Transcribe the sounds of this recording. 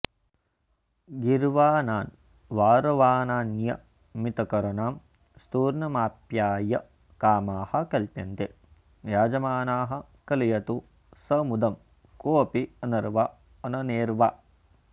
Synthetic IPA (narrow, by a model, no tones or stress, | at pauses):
ɡiɾʋaːnaːn | ʋaːɾoʋaːnaːnjɐ | mit̪ɐkɐɾɐnaːm | st̪uːɾnɐmaːpjaːjɐ | kaːmaːhɐ̆kɐlpjɐnt̪e | jaːd͡ʒɐmaːnaːɦɐ̆ | kɐlijɐt̪u | sɐmud̪ɐm | koːpiɐnɐɾʋa | ɐnɐneːɾʋaː